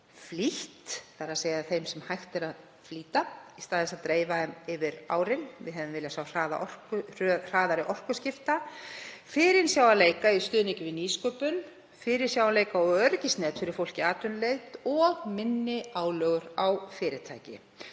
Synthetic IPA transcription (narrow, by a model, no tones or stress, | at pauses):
fliht̪θaɾaðseːjðaθejmsɛmhajxt̪ɛɾað | fliːt̪aist̪aːðɪsaðt̪ɾeːjvaðɛmɪvɪɾa̰ːwɾɪnvɪðɦɛvɪmvɪljasawr̥aːða̰ʔɔr̥kr̥r̥aːðaɾɪʔɔr̥kʏscɪft̪a | fɪːɾɪnsjaːwvaleːjkaist̪ʏːðnɪŋcʏvɪniːskœpʏn | fɪɾɪɾ̥sjawaleːjkaɔœɾcɪstnɛːt̪fɪɾɪɾ̥fowl̥cɪaːt̪ʏnlejt̪ɔɣmɪnːɪaːwlœɣʏɾawfɪːɾɪt̪ʰa̰jcɪ̰